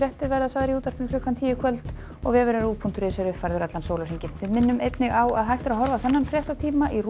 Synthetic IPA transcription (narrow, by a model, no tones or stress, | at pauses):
jɛht̪ɪɾvɛɾðasaðɾiuːt̪aɾ̥pɪnkʰʏːkʰant̪ʰiːjɪkʰœlt̪ | ɔɣvɛːvʏɾɛɾuːpʰunt̪ɾɪːsaɾʏfajɾðʏɾɛt̪lansoːwlar̥iɲcɪnvɪðmɪnːʏmejt̪nɪɣawaðɦajht̪ɪɾaɦɔɾvaθɛnːanfɾjɛht̪at̪ʰiːmaʔir